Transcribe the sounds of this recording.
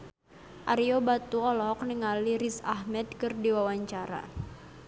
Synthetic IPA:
ʔaɾiobat̪uɔlɔk̚nəŋaliɾisaɦmɛd̪̚kɨrdiwawaɲt͡ʃaɾa̰

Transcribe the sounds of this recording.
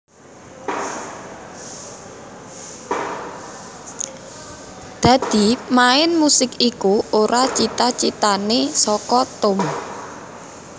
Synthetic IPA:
d̪̥ä̤d̪̥i̤maɪnmusɪkikuoɾat͡ʃit̪at͡ʃit̪anesɔkɔt̪ʊm

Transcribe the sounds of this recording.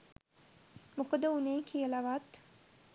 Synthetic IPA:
mukəd̪əunejkʰijəlaʋat̪

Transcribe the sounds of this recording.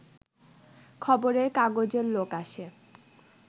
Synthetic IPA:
kʰɔboɾeɾkaɡod͡ʑeɾlokaʃe

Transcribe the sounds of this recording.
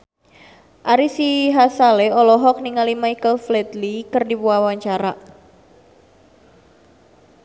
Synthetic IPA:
ʔaɾisiɦasaleɔlɔɦɔk̚niŋalimajkəlflɛt̪likərdipuawaɲt͡ʃaɾa

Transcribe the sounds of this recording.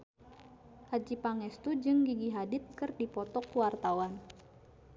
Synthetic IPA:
had͡ʒipaŋɛst̪ud͡ʒɨŋɡiɡiɦadɪt̪̚kɨrdipɔt̪ɔkuwart̪awan

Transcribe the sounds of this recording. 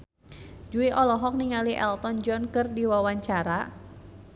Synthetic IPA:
d͡ʒuiʔɔlɔɦɔk̚niŋaliʔɛ̰lt̪ɔnd͡ʒɔnkɨrdiwawaɲt͡ʃaɾa

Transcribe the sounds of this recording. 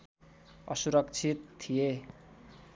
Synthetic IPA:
ʌ̰suɾʌk̚t͡sʰit̪ʰːije

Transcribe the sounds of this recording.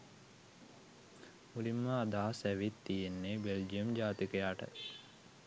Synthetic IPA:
mulimːəad̪aːsæʋit̪ːijenːebeld͡ʒijəmd͡ʒaːt̪ikəjaːʈə̰

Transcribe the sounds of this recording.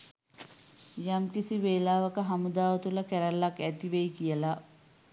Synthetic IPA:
jamkisiʋeːlaːʋɐkəɦamud̪aːʋɐt̪ulɐkæɾælːakæt̪iʋeikijəla

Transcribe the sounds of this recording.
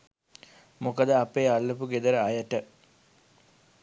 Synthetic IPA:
mokəd̪əapeːalːəpuɡed̪əɾəajəʈə

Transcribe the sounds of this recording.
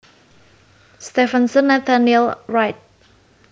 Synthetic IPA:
st̪ɛfənsənːɛt̪ʰanilɹajt̪̚

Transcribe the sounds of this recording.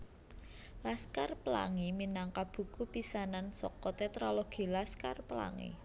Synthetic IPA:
laskarpəla̰ŋiminaŋkab̥ṳkupisanansɔ̰kɔt̪ɛt̪ɾoloɡ̥i̤laskarpəla̰ŋḭ

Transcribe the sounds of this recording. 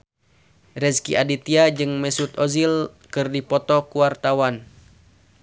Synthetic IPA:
rɛskiʔadit̪iad͡ʒɨŋmɛsut̪ɔzil | kɨrdipɔt̪ɔkuart̪awan

